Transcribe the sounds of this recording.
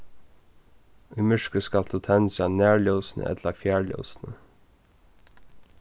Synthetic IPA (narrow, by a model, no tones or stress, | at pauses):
ʊjmɪʂkəskald̪uːt̪ʰɛnsanæːɹljɔwsnʔə̰ʔɛ̰t̪lafjæːɹljɔ̰wsnə